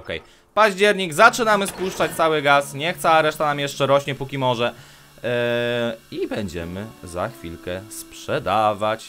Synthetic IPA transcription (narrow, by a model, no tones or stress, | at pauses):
ɔkɛ̰j | paʑd͡ʑɛɾɲiɡzat͡ʂɘnamɘspuʂt͡ʂat͡ɕt̪sawɘɡasɲɛxt̪sɛaɾɛʂt̪anamjɛʂt͡ʂɛɾɔɕɲɛpukʲimɔʐɛ | ibɛɲd͡ʑɛmɘza̰xfʲilkɛspʂɛd̪avat͡ɕ